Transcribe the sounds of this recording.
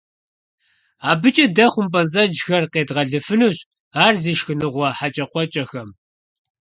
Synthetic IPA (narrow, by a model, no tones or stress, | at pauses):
aːbɨt͡ʃʼɐdɐχʷʊmpʼɐnzʼɐd͡ʒxɐrqeːdʁɐɮɨfɨnuːɕʼ | aːrziːʃxɨnɨʁʷɐħat͡ʃʼɐqʷɔt͡ʃʼɐxɐm